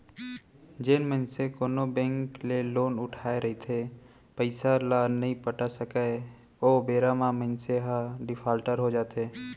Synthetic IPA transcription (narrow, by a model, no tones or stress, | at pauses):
d͡ʒenmənsekoːnobɛ̃ːŋkleloːnʊʈʰaːeɾɐɦit̪ʰe | pəɪsalaːnɐɦĩpəʈasəka | oːbeːɾamamə̃nseɦaɖɪpʰaːlʈəɾɦod͡ʒaːt̪ɦeː